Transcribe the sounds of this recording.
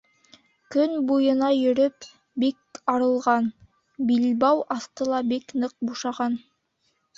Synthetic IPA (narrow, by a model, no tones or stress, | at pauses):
kɵnbujɤ̆nɑjɵ̆ɾɵp | bikɑɾɤ̆lˠʁɑn | bilbɑwʔɑθt̪ɤlˠɑbiknɤq̚buʃɑʁɑn